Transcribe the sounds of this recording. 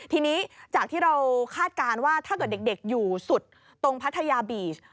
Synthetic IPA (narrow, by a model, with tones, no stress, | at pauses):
t̪ʰiː˧niː˦˥t͡ɕaː˨˩k̪̚ʰiː˥˩ɾa˧wkʰaː˥˩t̪̚kaː˧nwaː˥˩t̪ʰaː˥˩kɤː˨˩t̪̚de˨˩de˨˩k̚juː˨˩su˨˩t̪̚ː | o˧ŋpʰa˦˥t̪ʰːa˧jaː˧biː˨˩s